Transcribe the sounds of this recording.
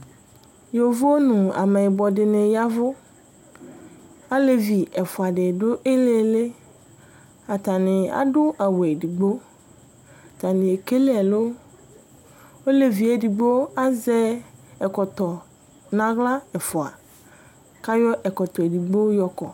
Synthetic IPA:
jo˨vʊ˦wo˦nũ˨a̰˨me˨ɪ˨bɔ˨dɪ˨nẽ˨ja˦vʊ˦ | a˦le˨vi˨ɛ˨fʊ˨a˨ɖɪ˨dʊ˦ʔe˦le˦le˦ | a˨t̪a˨nɪ̃˨a̰˦dʊ˦ʔa˨wo˨e˨di˨ɡ͡bo˦˨ | t̪a˨nɪ̃˨e˨ke˦le˦a˨lo˦ | wo˦le˨vi˨e˨di˨ɡ͡bo˦a˦zɛ˦ɛ˨kɔ˨t̪ɔ˨ | nã˨ɣla˦ɛ˨fʊ˨a̰˨ | ka˦jɔ˦ʔɛ˨kɔ˨t̪ɔ˨e˨di˨ɡ͡bo˦jɔ˦kɔ˨

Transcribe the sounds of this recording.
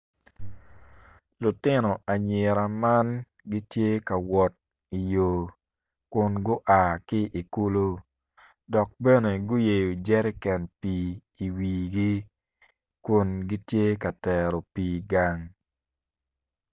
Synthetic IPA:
lʊ˨tɪ˦nɔ˨ʔa˨ɲɪ˨ɾa˨ma˦n | ɡi˦tje˦ka˨wɔ˨t̚ | i˨jo˨ | kʊ˨nɡʊ˦ʔa˨kɪ˦ʔi˨ku˦lo˦ | dɔ˨k̚bɛ˦ne˨ɡʊ˦je˨jo˨d͡ʒɛ˦ɾɪ˦kɛ˨npiː˨i˨wiː˨ɡi˦ | kʊ˨nɡi˦tje˦ka˨tɛ˨ɾo˨piː˨ɡa˨ŋ

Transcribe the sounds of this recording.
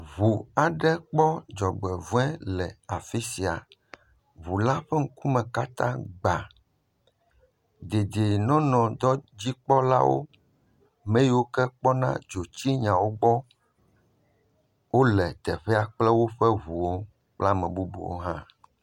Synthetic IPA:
βu˨a˨ɖɛ˦k͡pɔ˦d͡ʒɔ˨ɡ͡bɛ˨vũ˦ɛ̃˦lɛ˨a˨fi˦si˨a̰˨ | βu˨la˦ɸɛ˦ŋ̩˦ku˦mɛ̃˨ka˦t̪ã̰˦ɡ͡ba˨ | d̪e˨d̪e˨nɔ̃˦nɔ̃˨d̪ɔ˦d͡ʑi˦k͡pɔ˦la̰˦wo̰˦ | mẽ˦ji˦wo˦kɛ˦k͡pɔ˦nã̰˦d͡ʒo˨t͡ɕi˦ɲã˨wo˦ɡ͡bɔ˦ | wo˦lɛ˨t̪ɛ˨ɸɛ˦a˨k͡plɛ˦wo˦ɸɛ˦βu˨wo˦ | k͡pla˦mɛ̃˨bu˦bṵ˨wo̰˦ɦã˦

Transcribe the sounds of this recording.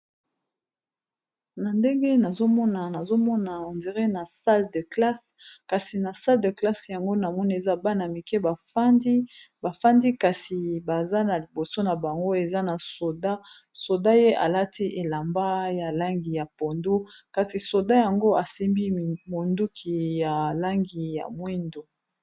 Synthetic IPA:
na˨nde˦ŋɡe˦na˨zo˦mɔ˦na˨na˨zo˦mɔ˦na˨o˨ndi˨ʁe˦na˨sa˦lde˨kla˦ska˨si˨na˨sa˦ldə˨kla˦sja˨ŋɡo˦na˨mɔ˦ni˦˨e˨za˦ba˦na˨mi˨kɛ˦ba˨fa˦ndi˦ | ba˨fa˦ndi˦ka˨si˨ba˨za˦na˨li˨bo˨so˦na˨ba˨ŋɡo˦e˨za˦na˨so˨da˦ | so˨da˦je˦ʔa̰˨la˦tʰi˦ʔe˨la˨mba˦ja˨la˦ŋɡi˨ja˨po˨ndo˦ka˨si˨so˨da˦ja˨ŋɡo˦a˨se˦mbi˦˨mo˨ndu˦kʰi˨ja˨la˦ŋɡi˨ja̰˨mwi˦ndo˨

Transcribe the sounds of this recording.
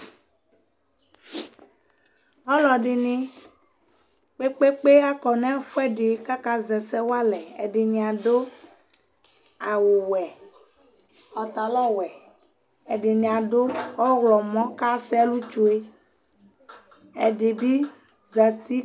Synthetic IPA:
ɔ˦lɔ˨ɖi˨nĩ˦ | k͡pe˦k͡pe˦k͡pe˦a˦kɔ˨nɛ̃˦fɛ˦ɖe˨e˨˦ka˦ka˦zɛ˨sɛ˦wo˦a˦lɛ˨ḛ˨ɖe˨ɲĩ˨a˨do˦ | a˨wo˨wɛ˨ | ɔ˨t̪a˨lɔ˦wɛ˨ | e˨ɖe˨ɲĩ˨a˨ɖo˦ɔ˦ɣlɔ˨mɔ̃˦ka˦sɛ˦lu˦t͡ʃo˦e˦ | ḛ˨ɖe˨bi˦ | za˨t̪i˦

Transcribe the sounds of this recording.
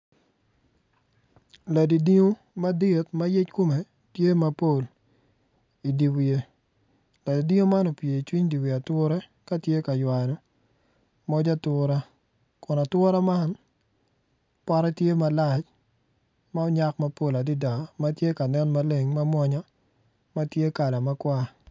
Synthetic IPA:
la˨di˨di˦ŋo˦ | ma˦dɪ˦˨tma˦je˦t͡ʃko˦me˨ | tje˦ma˦po˦˨l | i˨di˨wi˨e˨ | la˨di˨di˦ŋo˦ma˦no˨pje˨i˨t͡ʃwi˦ɲdi˨we˨a˨tʊ˦ɾɛ˦ | ka˦tje˦ka˨jwa˨nɔ˨ | mɔ˦d͡ʒa˦tʊ˨ɾa˦ | kʊ˨na˨twɔ˦ɾa˦ma˦n | pa˦ɾɛ˦tje˦ma˨la˨t͡ʃ | ma˦ɔ˦ɲa˦kma˦po˦la˨di˦da˨ma˦tje˦ka˨nɛ˦nma˦le˦˨ŋma˦mwɔ˦ɲɔ˦ | ma˦tje˦ka˨la˨ma˦kwa˦

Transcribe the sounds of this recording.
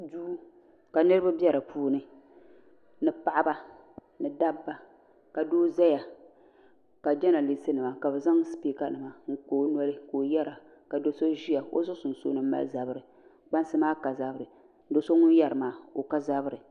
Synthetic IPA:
duː˦ | ka˨nɨ˦ɾɨ˦ba˦bjɛ˦ɾa˨pʰuː˦nɨ˨ | nɨ˨pa˦˨ʔa˦ba˦ | nɨ˨da˦bːa˦ | ka˨doː˦za˦ja˨ | ka˨d͡ʒɛ˦na˨li˨sɨ˦nɨ˨ma˨ka˨bɛ˨za˦ŋ˦spi˦ka˦nɨ˨ma˨ŋ̩˦koː˦n˦ɔ˦lɨ˦koː˨jɛ˦ɾa˨ | ka˨do˦so˦ʒi˦ja˨o̰˦zʊ˦sʊ˨n˨so̰˦nɨ˦m̩ː˦a̰˦lza˨bɨ˦ɾɨ˨ | k͡pa˦n˦sɨ˦maː˦ka˨za˨˦bɨ˦ɾɨ˨˦ | do˦so˦ŋʊ˦njɛ˦ɾɨ˨maː˦o˨ka˦za˦bɨ˦ɾɨ˨

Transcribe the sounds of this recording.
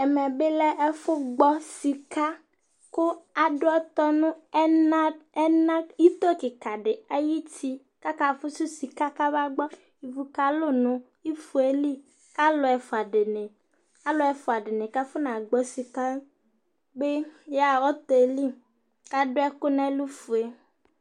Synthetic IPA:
ɛ˨mɛ˨be˦lɛ˦ʔɛ˦fʊ˦ɡ͡bɔ˦si˨ka˦ | kʊ˦a˨ɖʊ˦ɛ˦t̪ɔ˦nʊ̃˦ɛ˦nã˦ɛ˦nã˦i˦t̪o˦kɪ˨ka˨ɖɪ˨a˨ji˦ti˦ | ka˦ka˨fʊ˦sʊ˦si˨ka˦ka˦βa˦ɡ͡bɔ˦ | i˨vu˨ka˦lo˦nʊ̃˨ | i˦fu˨e˦li˦ | ka˦lʊ˨˦ɛ˨fʊ˨a˨ɖe˨ne˨ | a˦lʊ˦ɛ˨fʊ˨a˨ɖɪ˨nẽ˨ka˦fʊ˦nã˨ɡ͡bɔ˨si˨ka˦ | be˦ja˨ɔ˦t̪ɔ˨e˨li˦ | ka˦ɖʊ˦ɛ˦kʊ˦nã˦lu˦fu˨e˨

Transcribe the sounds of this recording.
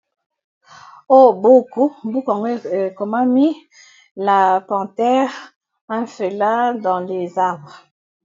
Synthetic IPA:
o˦bo˦ku˦bu˦ka˨ŋɡe˦˨e˨ko˨ma˦mi˦ | la˨pɑ̃˨tɛ˦ʁ | a˦fe˨la˦dɑ̃˨le˨za˦˨b

